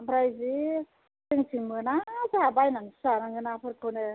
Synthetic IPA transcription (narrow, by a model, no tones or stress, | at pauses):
bɾajzi | tɯŋtʰiŋmɯnazabajnaŋsanaŋɯnapʰɯɾkʰonɯ